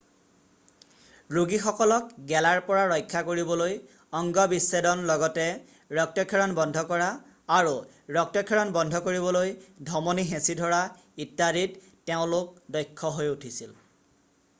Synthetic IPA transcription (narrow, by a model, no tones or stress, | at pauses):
ɹuɡixɔkɔlɔkɡɛlaɹpɔɹaɹɔjkʰːakoɹibɔloj | ɔŋɡɔbisːedɔnlɔɡɔtɛ | ɹɔk̚tɔkʰːɛɹɔnbɔndʱɔkɔɹaː | ɹu | ɹɔk̚tɔkʰːɛɹɔnbɔndʱɔkoɹiβɔlojdʱɔmonixẽsidʱɔɹa | itːaɾit | teʊ̃lʊk̚dɔjkʰːɔɦojutʰisil